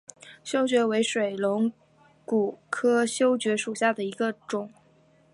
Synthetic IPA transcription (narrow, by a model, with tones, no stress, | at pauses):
ɕjo˥ʊt͡ɕɥɛ˧˥we˧˥ɪʂwe˨˩ɪlʊ˧˥ŋ | ku˨˩kʰɤ˥ɕjo˥ʊt͡ɕɥɛ˧˥ʂu˨˩ɕja˥˩d̪ə˩i˧˥ɡə˧ʈ͡ʂʊ˨˩˦ŋ